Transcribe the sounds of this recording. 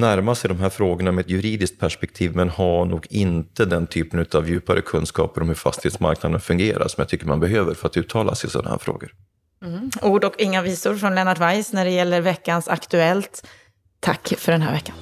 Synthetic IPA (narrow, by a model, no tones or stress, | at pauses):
næɾmasɛjd̪ɔmɦæːɾfɾoːɡəɳamɛɛt̪jɵɾiːd̪ɪskt̪̚pʰæʂpɛk̚t̪ʰiːvmɛnhaɳuːɡɪnt̪əd̪ɛnt̪ʰyːpənʉ̟t̪avjʉ̟ːpaɾə̰kʰɵnskɑ̰ːpəɾɔmhɵɾfa̰st̪ɪ̥heːt̪sma̰ɾknad̪ənfɵŋɡeːɾa̰ɾsɔmja̰t̪ʰʏkːəɾma̰nbɛɦøːvəɾfœɾat̪ʉ̟ːt̪ʰɑːla̰sɪsɔ̰nahæ̰ːɾfɾo̰ːɡəɾ | uːɖɔkɪŋːaviːsʊɾfɾɔnlɛnaʈvajsnæɖɛjɛlːəɾvɛkːansakt̪ɵɛlt̪ʰː | akːfœɖɛnɦæ̰ːɾvɛkːan